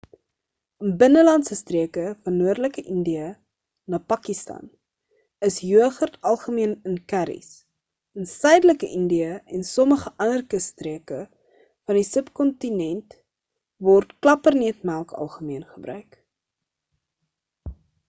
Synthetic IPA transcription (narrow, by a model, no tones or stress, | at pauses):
ənbənəlɐntsəstriəkəfɐnːuərdləkəʔəndiə | nɑːpɑkistɑ̰n | əsjuəχərtʰɐlˠχəmiənənkæɾḭs | ənsœɥdələkəʔəndiəɛnsɔməχəʔɐnərkəstriəkə | fɐndisəpkɔntinɛnt | vɔrtklɐpərnɛətmælˠkɐ̰lˠχəmiənχəbrœɥk